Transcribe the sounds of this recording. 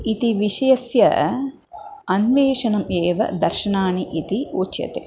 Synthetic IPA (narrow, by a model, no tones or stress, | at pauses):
it̪iʋiʃɐjɐsjɐ̰ | ɐnʋeːʃɐnɐmeːʋɐ̰d̪ɐɾʃɐnaːniʔit̪iuːt͡ʃjɐ̰t̪ḛ